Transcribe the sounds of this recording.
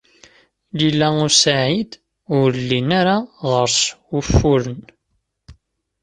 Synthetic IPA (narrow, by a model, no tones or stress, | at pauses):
lilːæusaʕid̪ | ʊɾlːinaɾaʁəɾsʊfːʊɾən